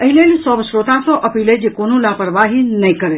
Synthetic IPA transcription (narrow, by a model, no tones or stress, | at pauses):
əɦilelisɔʋəʃɾot̪at̪oʔəpiled͡ʒekonũlapəɾʋaɦinəĩkəɾe